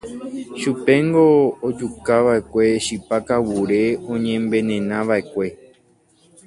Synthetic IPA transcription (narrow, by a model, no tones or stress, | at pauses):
ʃupẽ̞ŋɡo̞ːd͡ʒukaʋae̞kʷe̞ʃipakawuɾe̞õɲẽmbẽ̞nẽnãʋae̞kʷe̞